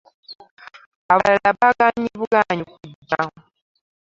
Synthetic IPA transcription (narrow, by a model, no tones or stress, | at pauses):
aβalalaβaɡaɲiβuɡaɲikudːa